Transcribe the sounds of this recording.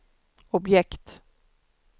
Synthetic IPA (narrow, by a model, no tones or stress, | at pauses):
ɔbjɛkt̪